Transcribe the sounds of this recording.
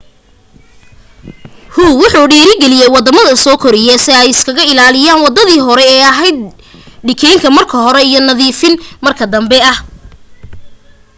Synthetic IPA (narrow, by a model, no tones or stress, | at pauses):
huwʊħuːɖiːɾɪɡɛlɪjɛjwɑd̪ɐmɐðɐsɔːkʰɔɾɪjɛsɪɛjɪskʰɐɣɐɪlaːlɪjaːnwɑd̪ɐðiːɦɔɾɛːɐɦɛjd̪̚ | ɖɪkʰɛːŋkʰɐmɐrkʰɐɦɔɾɛijɔnɐðiːfɪnmɐrkʰɐd̪ɐmbɛɐh